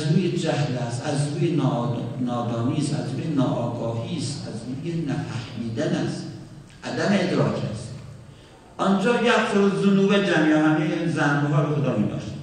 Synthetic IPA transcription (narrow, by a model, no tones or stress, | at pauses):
æzɾuːjed͡ʒæhlæst̪æzɾuːjenɒːd̪ɒːniːsæ̰zɾuːjenɒːʔɒːɡɒːhiːst̪æzɾuːjenæfæhmiːd̪ænæs | ʔæd̪æmeed̪ɾɒːkʰæst̪ | ʔɒnd͡ʒɒːjæsoɾozonuːbed͡ʒæmjɒːɦæneenzænɡoɦɑːɾoxod̪ɒːmiːd̪ɒ̰ːʃe̥